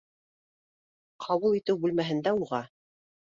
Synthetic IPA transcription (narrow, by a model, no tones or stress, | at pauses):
qʰɑβulˠit̪ɘwbʉlmæɦɘ̆nd̪æuʁɑ